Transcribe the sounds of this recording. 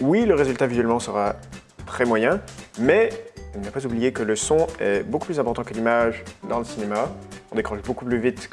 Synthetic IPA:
wiləʁezylt̪avizɥɛlmɑ̃səʁa | t̪χɛmwajɛ̃mɛiləvapazublijekələsɔ̃ɛboku̥plyzɛ̃pɔʁt̪ɑ̃kəlimaʒd̪ɑ̃ləsinemaɔ̃d̪ekχɑ̃ʒbokuplyvit̪

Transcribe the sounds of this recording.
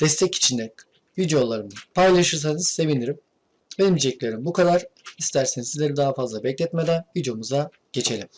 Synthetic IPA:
d̪̥ɛst̪ʰɛci̥t͡ʃʰind̪ɛ | jyd͡ʒolˠːaɾɯmd̪ɯpʰajlˠaʃɯɾs̬anɯz̥se̞viniɾim | velʲimid͡ʒɛclʲe̞ɾimbukʰad̪aɾ̥ist̪ʰæɾsenizizlʲeɾid̪aɦafazlˠabɛclʲɛt̪me̞d̪ænjyd͡ʒumuza | ɟ̥e̞t͡ʃʰe̞lʲim

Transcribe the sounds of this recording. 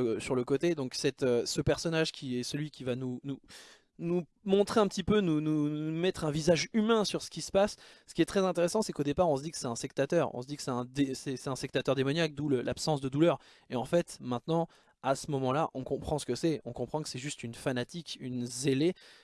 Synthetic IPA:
syʁləkot̪ed̪ɔ̃ksɛt̪øsəpɛʁsɔnaʒkʲʰiɛsəlɥikʲivanunu | nu | mɔ̃t̪χeɛ̃pət̪ipønunuumɛt̪χɛ̃vizaʒymɛ̃syʁsə̥kʲisə̥pasː | ə̥kʲiɛt̪χɛzɛ̃t̪eʁesɑ̃sɛkod̪epaʁɔ̃s̬əd̪ikə̥sɛt̪ɛ̃spɛk̚t̪at̪œʁɔ̰̃s̬əd̪ikə̥sɛt̪ɛ̃d̪esɛsɛt̪ɛ̃sɛk̚t̪at̪œʁd̪emɔnjak̚d̪uləlapsɑ̃s̬d̪əd̪ulœʁ | eɑ̃fɛt̪mɛ̃t̪nɑ̃ | asəmɔmɑ̃laʔɔ̃kɔ̃pχɑ̃sə̥kəsɛɔ̃kɔ̃pχɑ̃kə̥sɛʒyst̪ynfanat̪ikynzele

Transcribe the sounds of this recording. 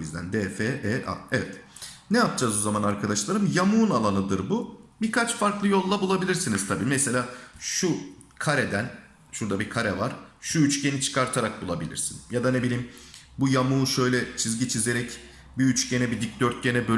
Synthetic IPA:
bizd̪æ̰nd̪ɛːfeʔɛːʔa̰evɛt̪ | nɛjap̚d͡ʒaːzozamanaɾkʰad̪aʃlˠaɾɯmjamuːnalˠanɯd̪ɯɾbubiɾkʰat͡ʃfaɾklˠɯjo̞lˠd̪abulˠabilʲiɾsinizt̪ʰabiːmɛse̞lʲaːʃukʰaɾed̪æn | ʃuɾd̪abikʰaɾɛvaɾ̥ʃuyt͡ʃce̞nit͡ʃʰɯ̥kʰaɾt̪ʰaɾak̚bulˠabilʲḭɾsinjad̪anebilʲiːm | bujamuːʃø̞jlʲɛt͡ʃʰizɟit͡ʃʰizeɾɛc | biyt͡ʃce̞nɛbid̪ic̚d̪øɾt̪̚ɟe̞nɛbø

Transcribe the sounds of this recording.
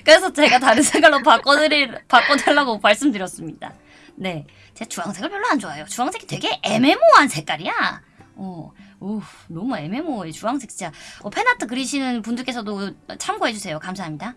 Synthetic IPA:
kɯɾe̞sʰʌt͡ɕe̞ɡataɾɯnsʰe̞ŋɡwaɭːopak͈oɾipak͈ʌdweɭːaɡomaɭs͈ɯmdɯɾjʌs͈ɯmɲid̥a̰ | ne̞ | t͡ɕeɡat͡ɕuwaŋsʰeɡɯɭp͈ʰjʌɭːoɦand͡ʑowajot͡ɕuwaŋsʰeɡitwe̞ɡe̞ʔeme̞moɦansʰe̞k͈aɾija | ʌonʌmue̞me̞moet͡ɕuaŋsʰe̞k̚t͡ɕit͡ɕ͈aʌpʰe̞natʰɯk̬ɯɾiɕʰinɯnpundɯɭk͈e̞sʰʌdoʌt͡ɕʰamɡoɦe̞d͡ʑusʰe̞jokamsʰaɦamɲida

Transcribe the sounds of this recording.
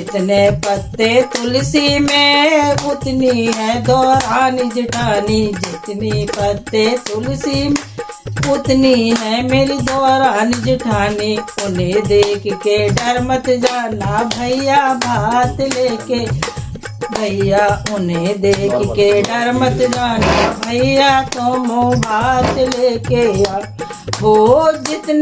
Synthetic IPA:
d͡ʒɪt̪nepət̪et̪ʊlsimẽʊt̪niɦɛ̃d̪ɔːɾaːnid͡ʒɪʈʰaːniːd͡ʒɪt̪nipət̪et̪ʊlsim | ʊt̪niɦɛːmeːɾid̪ɔːɾaːnid͡ʒɪʈʰaːniʊnẽd̪eːkʰkeɖəɾmət̪d͡ʒaːnaːbʱəijaːbʱaːt̪leːkeː | bʱəijaːʊnẽd̪eːkʰkeːɖɐɾmət̪d͡ʒaːnaːbʱəijaːt̪õːmõbʱaːt̪leːkeːa | ɦoːd͡ʒɪt̪n

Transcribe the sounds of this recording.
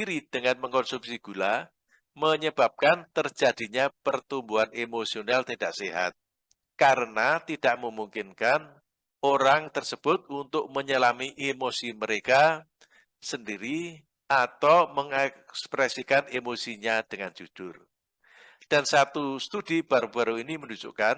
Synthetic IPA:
iɾid̥əŋanməŋkɔnsumsiɡ̥ula | məɲəb̥ap̚kant̪ərd͡ʒad̥iɲapərt̪umbuɦanemosionalt̪idaʔseɦa̰t̪̚ | kaɾənat̪id̥aʔməmuŋkɪnkan | oɾaŋt̪ərsəb̥ʊt̪̚unt̪ʊk̚məɲəlamiʔemosiməɾeka | səndiɾi | ʔat̪awməŋɛkspɾɛsikanemosiɲad̥əŋand͡ʒ̥ud̥ʊr | d̥ansat̪ust̪ud̥ib̥aɾub̥aɾuiniməndud͡ʒṵʔkan

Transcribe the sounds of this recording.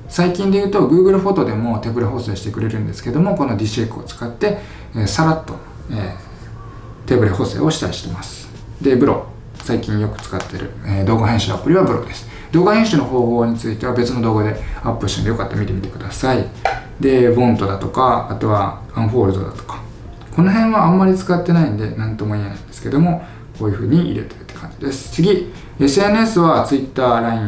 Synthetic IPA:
saikʲĩnd̪e̞jɯːt̪o̞ɡɯ̟ːɡɯ̟ɾɯ̟ɸo̞t̪o̞d̪e̞mo̞t̪e̞bɯ̟ɾeɦo̞se̞ːɕi̥t̪e̞kɯ̟ɾe̞ɾɯ̟̃nd̪e̞sɨ̥ke̞d̪o̞mo̞ko̞no̞d̪ʲiɕekːɯo̞t͡sɨ̥kat̪ːe̞ | eːsaɾat̪ːo̞ | eː | t̪e̞bɯ̟ɾehose̞̰ːo̞ɕi̥aiɕi̥t̪e̞masɨ̥ | d̪e̞bɯ̟ɾo̞̰ | saikʲĩɰ̃jo̞kɯ̟̥t͡sɨ̥kat̪ːe̞ɾɯ̟̰ed̪o̞ːɡaɦẽ̞ɰ̃ɕɨapːɯɾʲiβabɯɾo̞̰d̪e̞sɨ̥ | d̪̥o̞ːɡahẽɕɨno̞ɦo̞ːɦo̞ːɲ̟it͡sɨit̪e̞β̞abe̞t͡sɨno̞d̪oːɡad̪e̞apːɯ̟ɾɯ̥ɕõ̰njo̞kat̪ːamʲit̪e̞mʲit̪ekɯ̟d̪asai | d̪e̞bõ̞nt̪o̞d̪at̪o̞kaːt̪o̞βaãɰ̃ɸo̞ːɾɯ̟d̪o̞̰d̪a̰t̪o̥kḁ | ko̞no̞ɦẽ̞ɰ̃βãːmːaɾʲit͡sɨ̥kat̪ːe̞naĩnd̪e̞nãnt̪o̞mo̞iːnã̰ind̪e̞sɨ̥ke̞d̪o̞mo̞ | ko̞ːjɯ̟ɸɯ̟ːɲ̟iʔḭɾe̞t̪e̞ɾɯ̟t̪ːe̥kʰã̰ɲ̟d͡ʑid̪e̞sɨ̥t͡sɨɡʲi | e̞sɨe̞nɯe̞sɨβat͡sɨit̪ːaːɾaĩ

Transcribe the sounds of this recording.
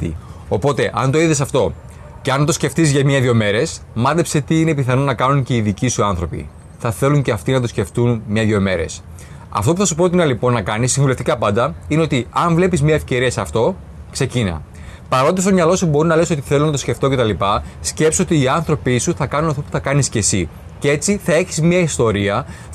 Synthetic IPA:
ḭopo̞t̪e̞ʔɐnt̪o̞iðes̬ɐft̪o̞ | ceɐnt̪o̞sce̞ft̪izʝɐmɲɐðʝo̞me̞ɾe̞smɐðepse̞t̪iine̞piθɐno̞nɐkɐnuɲce̞iðicisuɐnθɾo̞pḭ | θɐθe̞luɲce̞ɐft̪inɐt̪̬o̞sce̞ft̪unmɲɐðʝo̞me̞ɾe̞̰s | ɐ̰ft̪o̞puθɐsupɾo̞t̪inɐlipo̞nːɐkɐnisiɱvuleft̪ikɐpɐnd̪ɐineot̪iɐɱvle̞pizmɲɐefce̞ɾiɐseɐft̪o̞ | kse̞cinɐ̰ | pɐɾo̞nd̪ist̪o̞mɲɐlo̞subo̞ɾunɐle̞sot̪i̥θe̞lonɐt̪osce̞ft̪o̞cet̪ɐlipɐsce̞pso̞t̪iːɐnθɾo̞pisuθɐkɐnunɐft̪opu̥θɐkɐnisce̞si | cee̞t͡siθɐe̞çi̥zmɲɐist̪o̞ɾiɐ

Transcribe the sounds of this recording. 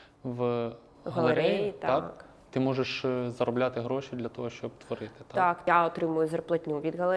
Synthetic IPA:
ʋ | ɦɐlˠeɾɛjit̪akk | t̪ɪmɔʒeʃzɐɾɔblʲat̪ɪɦɾɔʃʲid̪lʲɐt̪ɔɦɔʃt͡ʃɔb̚t̪ʋɔɾɪt̪ɪ̥t̪tɑkjaɔt̪ɾɪmʊjʊzʲɐrplˠɐtʲnʲuʋʲid̪ɣɐlˠe

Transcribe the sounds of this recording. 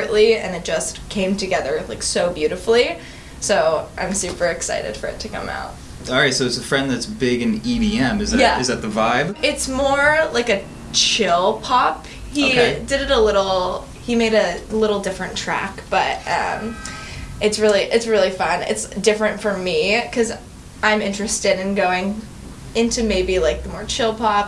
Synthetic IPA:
ɨʔliɨ̰̃nɨt̚d̥ʒ̥ʌskʰẽɪ̃mtʰɨɡɛðə˞la̰ɪksoʊbjʉɾɨfl̩ˠi | soʊʔã̰ɪ̃msʉpə˞ɨksa̰ɪɾɨ̰d̥fə̰˞ɨ̰tʰɨkʰʌ̰̃ma̰ʊt̚ | ɑlˠɹaɪtsoʊɨtsəfɹɛ̃nðɨtsb̥ɪɡɨ̃nibiɛ̃mɨzðɨæɨzðɨt̪̚ðɨvaɪb̥ɪtsmɔɹlaɪkɨ | t͡ʃʰɪlˠpʰɑp | hidɨɾɨɾəlɪɾl̩ˠ | himeɪɾɨlɪɾl̩ˠdɪfɹɨ̃ntʰɹ̥æ̰kb̥ʌtʔʌ̰̃m | ʔɨtsɹɪlˠiʔɨtsɹɪlˠifʌ̃nɨ̰tsd̥ɪfɹɨ̃ntfə˞mikʰʌz | ãɪ̃mɪ̃nt͡ʃɹ̥ɨstɨɾɨ̃nɡoʊɪ̃ŋ | ɪ̃ntʰʉmeɪbilaɪk̚ðəmɔɹt͡ʃʰɪlˠpʰɑp̚

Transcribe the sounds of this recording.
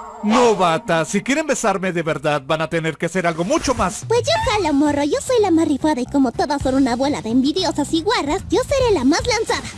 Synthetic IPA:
no̞βat̪asikje̞ɾe̞mbe̞saɾme̞ðe̞βe̞ɾðaðbanat̪e̞neɾkease̞ɾalɣo̞mut͡ʃo̞maspwe̞sʝo̞kalomoroʝo̞so̞jlamarifaðaiko̞mot̪o̞ðasːonunaːβwe̞laðeːmbiðjo̞sasiɣwarasɟ͡ʝo̞se̞ɾe̞lamaslansaða

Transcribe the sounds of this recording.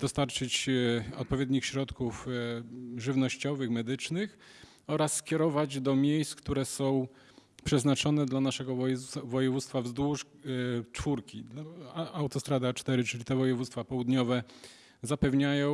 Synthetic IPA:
d̪̥ɔst̪aɾt͡ʂɘt͡ɕɔ̰t̪̚pɔvʲjed̪ɲixɕɾɔt̪kuf | ʐɘvnɔɕt͡ɕɔvɘxmɛd̪ɘt͡ʂnɘx | ɔɾasːkʲɛɾɔvad͡ʑd̪ɔmʲjejst̪kt̪uɾɛsɔ̃w̃ | pʂɛznat͡ʂɔnɛd̪lanaʂɛɡɔvɔjɛvut̪st̪favzd̪wuʂ | t͡ʂfuɾkʲi | awt̪ɔst̪ɾad̪at͡ʂt̪ɛɾɘt͡ʂɘlʲit̪ɛvɔjɛvut̪st̪fapɔwud̪ɲɔvɛ | zapɛvɲajɔ̃w̃

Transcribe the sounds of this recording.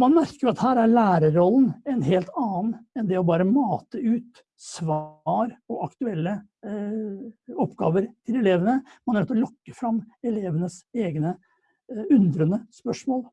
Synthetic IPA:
mɑnmæɾkəɾʊɑt̪hæːɾæɾɭæːɾəɾɔln̩ɛnɦeːlt̪ʰɑːnɛnd̪ɛɔbɑːɾəmɑːt̪əʉːt̪ | sʋɑːɾɔʔɑkt̪ʉɛlːə | ɔpːɡɑ̰ːʋəɾt̪ʰɪlɛleːʋənəmɑnæɾɛt̪ːɔlɔkːəfɾɑmɛleːʋənəseːɡnə | ʉnd̪ɾənəspœʂmoːl

